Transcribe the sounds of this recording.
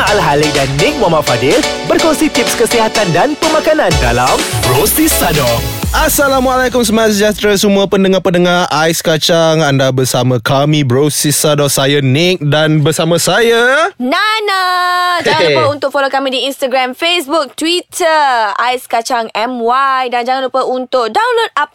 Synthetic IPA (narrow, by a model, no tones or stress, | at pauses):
alɦalidanːɪk̚mamafadɪlbərkɔŋsit̪ip̚skəsiɦat̪andanpəmãkanãndalambɾosisadɔasalamwalajkʊmsəmaas̬əd͡ʒat̪ɾasəmuəpəndəŋapənəŋaɾʔajskat͡ʃaŋandabərsamãkamĩbɾosisadɔsajanɪk̚danbərsamãsajananad͡ʒaŋalpaunt̪ʊk̚folokamĩdiinst̪aɡɾamfesbuk̚t̪wit̪ʰəajskat͡ʃaŋɛmwajdand͡ʒaŋanlupaunt̪ʊʔ̚dawnlod̚ap̚